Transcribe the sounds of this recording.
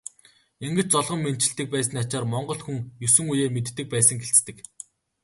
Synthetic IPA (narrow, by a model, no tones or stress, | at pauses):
eŋɡɘ̆t͡ɕt͡sɔɮʁɞ̆mːen̥t͡ɕɪ̆ɬt̪ɘ̆k̚pæːsɘ̆nat͡ɕaːrmɔɴɢɞ̆ɮxuŋjɵsɵ̆ŋujeːmet̪ːɘ̆k̚pæːsə̆ŋɡeɬt͡st̪ɘ̆k